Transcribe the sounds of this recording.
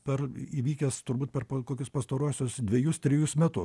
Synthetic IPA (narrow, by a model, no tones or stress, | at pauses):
pʲɛriʋʲiːkʲɛst̪ʊɾbuːt̪̚pʲɛrpɐkoːkʲʊspɐst̪ɐɾuɔsʲʊsd̪ʲʋʲeɛjʊst̪ʲɾʲɪjʊsmʲɛt̪ʊ